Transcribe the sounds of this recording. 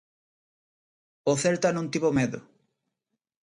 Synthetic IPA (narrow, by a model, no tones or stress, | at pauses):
oθeɾt̪anũnt̪ipomeðo